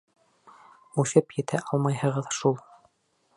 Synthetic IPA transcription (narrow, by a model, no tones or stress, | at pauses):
ʉʃɘpjɘ̆t̪ʰæʔɑlˠmɑjhɤ̆ʁɤðʃulˠ